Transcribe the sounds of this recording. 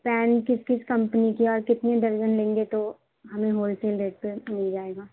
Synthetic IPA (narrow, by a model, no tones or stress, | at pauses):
pɛːnkɪskɪskɐ̃mpnikiɔːɾkɪt̪ned̪ɐɾd͡ʒənlẽːŋɡet̪o | ɦɐmẽɦoːlseːlɾeːʈ̚pemɪld͡ʒaːeːɡaː